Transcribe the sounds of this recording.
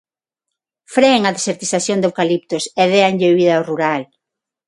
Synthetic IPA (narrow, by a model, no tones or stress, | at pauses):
fɾeeŋɐðeseɾt̪iθaθjond̪ewkalip̚t̪ʊsɛðeanʎeβiðɐoruɾal